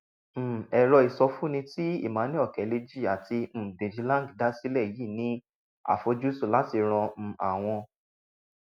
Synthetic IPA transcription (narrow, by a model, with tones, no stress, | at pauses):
m̩˦˨ɛ˧ɾɔ˧i˧˨sɔ˧fu˦nĩ˧ti˦ḭ˦˨mã˨˦nĩ˦ɔ˦˨kɛ˨˦le˧d͡ʒi˦˨a˨tʰi˧m̩˦˨bẽ˨d͡ʒi˨˦lã˦˨ɡda˦si˦lɛ˦˨ji˦˨nĩ˦ | a̰˦˨fo˨˧d͡ʒu˦su˦˨la˨˦ti˧ɾ̃ɔ̃˧m̩˨a˨w̃ɔ̃˧